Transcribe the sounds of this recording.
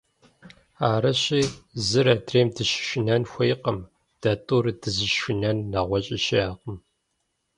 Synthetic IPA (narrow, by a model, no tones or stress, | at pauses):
aːɾɐɕiːzɨɾɐdʰreːmdɨʃɪ̥ʃɪnɐnxʷejqɐm | d̥ɐtʼuɾɨdʰɨzɨʃʃɪnɐnːɐʁʷɔɕʼɪʃiaːqəm